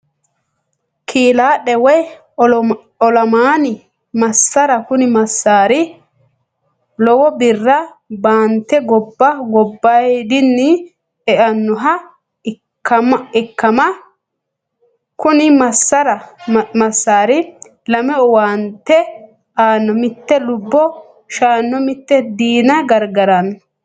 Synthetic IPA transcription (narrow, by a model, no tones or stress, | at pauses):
kʰiːlaːɗɛwɛj | ɔlɐmaːnɪ | mɐsːɐɾɐkʊnɪmɐsːaːɾɪ | lɔwɔbɪrːɐ | baːnt̪ːɛɡɔbːɐɡɔbːɐjd̪ɪnːɪ | ɛʔɐnːɔɦɐ | kːɐmɐɪkːɐmɐ | kʊnɪmɐsːɐɾɐmɐsːaːɾɪ | lɐmɛɔwaːnt̪ːɛ | ʔaːnːɔmɪt̪ːɛlʊbːɔ | ʃaːnːɔmɪt̪ːɛd̪iːnɐɡɐɾɡɐɾɐn